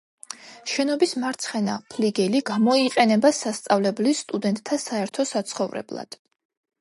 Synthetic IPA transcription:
ʃɛnɔbismaɾt̪sʰχɛna̰pʰliɡɛliɡ̥amɔiqʼɛnɛbasast̪sʼavlɛblisːt̪ʼud̪ɛnt̪ʼt̪ʰːasaɛɾt̪ʰɔsat̪sʰχɔvɾɛ̰blˠa̰d̪̥

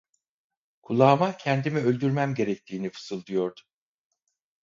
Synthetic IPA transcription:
kʰulˠaːmacʰɛnd̪imiø̞lʲd̪yɾmæmɟe̞ɾɛc̚t̪ʰiːnifɯ̥sɯlˠd̪ujo̞ɾd̪ʊ̥

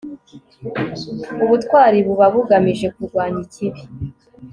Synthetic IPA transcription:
uβutkwaːɾiβuβaβuɡamiʒe̞kuɾɡwaːɲicʰiβi

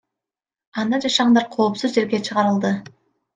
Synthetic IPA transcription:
ɑnd̪ɑd͡ʒɑʃɑʁɑnd̪ɑɾqʰo̞ːpsuzd͡ʒe̞ɾɡʲe̞t͡ʃʰɯʁɑɾɯlˠd̪ɯ

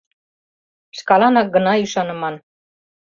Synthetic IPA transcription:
ʃkɑlɑnɑk̚ɡɤ̆nɑyʃɑnɤ̆mɑn

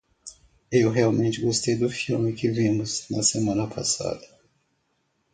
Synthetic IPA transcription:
ewɦeawmẽnt͡ʃɪɡost̪ejd̪ʊfilmɪkɪvĩmʊznɐsemɐ̃nɐpʰa̰sa̰d̪ɐ

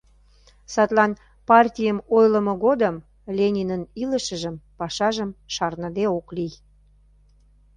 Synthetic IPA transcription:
sɑt̪lɑn | pɑrtʲijəmojləmoɣod̪əm | lʲenʲinəniləʃə̆ʒəmpɑʃɑʒəmʃɑrnə̆d̪eoklij

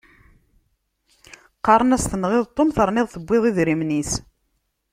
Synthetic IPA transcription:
qːɑɾˤənæst̪ənʁɪðˤt̪ˤːomθəɾˤnɪðˤθəbʷːɪðˤiðɾimnis

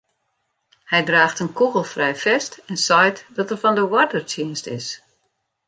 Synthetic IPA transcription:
hɛjdraːxtənkuɣəlˠfrɛjfɛstɛnsɔjtdɔtərfɔndəwɔrdərtʰjɪnstɪ̰s

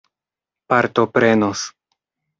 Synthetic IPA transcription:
paɾt̪o̞pɾe̞nos

